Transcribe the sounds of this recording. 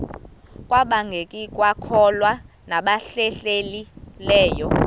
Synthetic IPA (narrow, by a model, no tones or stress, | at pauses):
kʼwaɓaŋɡʱekʼikʼwakʰɔlwa | naɓaɬɛɬelilɛːjɔ